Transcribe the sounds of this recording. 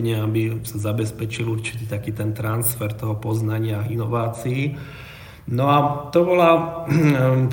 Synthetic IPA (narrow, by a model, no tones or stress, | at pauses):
ɲɛabisazabɛspɛt͡ʃiluɾt͡ʃi̥t̪iːt̪akiːt̪ɛnt̪ɾansfɛɾt̪ɔɦɔpɔznaɲɪainɔʋaːt͡sii | nɔat̪ɔbɔla | t̪